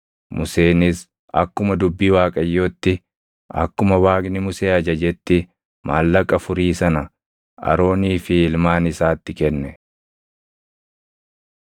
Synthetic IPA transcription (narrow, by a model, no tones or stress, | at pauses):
mʊse̞ːnɪs | ɐ̰kːʊmɐd̪ʊbːiːwaːkʼɐjːoːt̪ːɪ | ɐ̰kːʊmɐwaːɡnɪmʊse̞ːɐd͡ʒɐd͡ʒɛt̪ːɪ | maːlːɐkʼːɐfʊɾiːsɐnɐ | ɐ̰ɾo̞ːniːfɪɪlmaːnɪsaːt̪ːɪkɛnːɛ